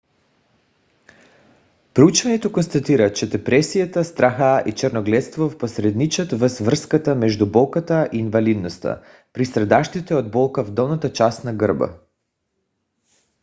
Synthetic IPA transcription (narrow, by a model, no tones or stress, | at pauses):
pɾut͡ʃvaɲɛt̪okonst̪at̪iɾat͡ʃɛd̪ɛpɾɛsijat̪ast̪ɾaxaʔit͡ʃɛɾnoɡlɛt̪st̪vofposɾɛd̪nit͡ʃət̪vr̩svr̩skat̪amɛʒd̪ubɔlˠkat̪aʔiːnvalid̪nost̪a̰ | pɾisɾɛd̪aʃt̪it̪ɛod̪̚bɔlˠkavd̪ɔlˠnat̪at͡ʃast̪naɡəɾba̰